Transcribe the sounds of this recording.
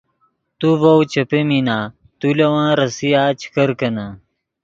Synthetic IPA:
t̪uvowt͡ɕɐpeminaː | t̪ulɐwãːɾɐsijaːt͡ɕi̥kɐɾkɐna

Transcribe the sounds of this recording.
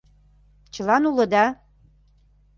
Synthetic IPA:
t͡ɕɤ̆lɑnulɤ̆d̪ɑ

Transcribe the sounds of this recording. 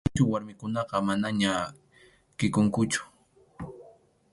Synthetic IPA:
t͡ʃʊwaɾmɪkʊnɑqɑmanaɲa | kɪkʊŋkʊt͡ʃʊ̥

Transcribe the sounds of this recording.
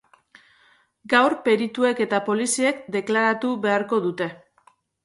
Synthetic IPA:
ɡawɾpe̞ɾit̪ue̞ke̞t̪apo̞lisie̞kd̪e̞klaɾat̪uβe̞aɾko̞ðut̪e̞

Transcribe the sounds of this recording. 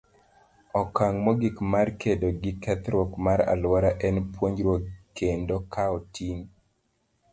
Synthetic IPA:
ɔkaŋmɔɡikmarkʰedoɡɪkɛt̪ɾokmaɾa̰lwaɾaʔɛnpwoɲd͡ʒɾwokendokaɔtʰiŋ

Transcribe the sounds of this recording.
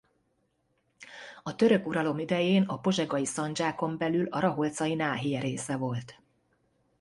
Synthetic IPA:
ɒt̪ø̞ɾø̞kuɾɒlo̞mid̪ɛjeːnɒpo̞ʒɛɡɒjisɒnd͡ʒaːko̞mbɛlylɒɾɒɦo̞lt̪sɒjinaːɦijɛɾeːsɛvo̞lt̪

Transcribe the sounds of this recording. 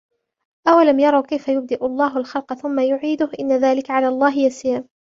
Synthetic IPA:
ʔawalamjɑɾˤɑwkajfajʊb̚d̪ɪʔʊlˤːɑːɦalxɑlqθʊmːajʊʕiːd̪ʊhʔɪnːaðaːlɪkaʕalaːɑlˤːɑːɦɪjasiːɾ

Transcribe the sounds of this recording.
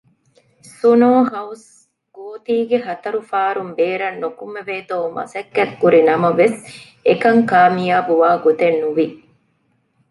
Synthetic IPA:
sunoːɦɐws | ɡ̥oːt̪iːɡeɦɐt̪ɐɾufaːɾumbeːɾɐnːukumːeʋeːt̪oːmʔɐ̰sɐkːɐt̪kuɾinɐmɐʋes | ekɐŋkaːmijaːbuʋaːɡot̪enːuʋi

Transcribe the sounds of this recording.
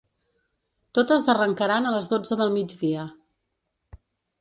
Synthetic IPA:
t̪ot̪əzərəŋkəɾanələzðod͡zəðəlˠmid͡ʒðiə

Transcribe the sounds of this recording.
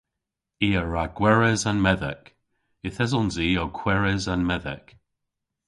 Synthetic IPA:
iːəɹaɡ̥wɛɹɛzanmɛðɛ̰k | ɪθɛzɔnziːɔkʰwɛɹɛzanmɛðɛ̰k

